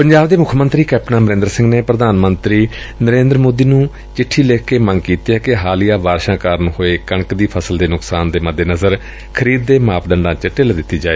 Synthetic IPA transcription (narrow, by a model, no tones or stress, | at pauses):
pəɲd͡ʒaːbd̪eːmʊkʰmənt̪ɾiːkɛːpnãːməɾẽːnd̪ɾsɪ̃ŋɡneːpɾəd̪aːnmənt̪ɾiː | nəɾẽːnd̪ɾmoːd̪iːnũː | t͡ʃɪʈʰːiːleːkʰkeːmə̃ŋɡkiːt̪iːɛːkɪɦaːlijaːʋaːɾʃãːkaːɾənhoːeːkəɳkd̪iːpʰəsəld̪eːnʊksaːnd̪eːməd̪ːeːnəzəɾ | kʰəɾiːd̪ːeːmaːpʰɖəɳɖãːt͡ʃəʈɪld̪ɪt̪ːiːd͡ʒaːeː